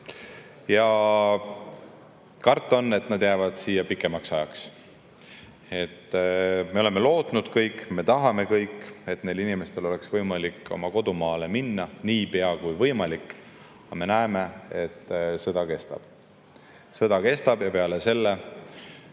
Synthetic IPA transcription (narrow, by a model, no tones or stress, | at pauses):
jɑ | kɑrt̪ːˑo̞nːe̞t̪nɑd̪̥jævɑd̪̥siːjːɑpikːˑe̞mɑksɑjɑks | e̞t̪ːme̞o̞le̞me̞lo̞ːt̪nud̪̥kɤjkːˑme̞t̪ɑɦɑme̞kɤjkːe̞t̪ːne̞lːinime̞st̪e̞lo̞le̞ksvɤjmɑlikːo̞̰mɑko̞d̪̥umɑːle̞minːɑniːpeɑkujvɤjmɑlikː | ɑme̞næeme̞et̪ːsɤd̪̥ɑke̞st̪ɑ̰b̥ | sɤd̪̥ɑke̞st̪ɑb̥jɑpe̞ɑle̞se̞lːe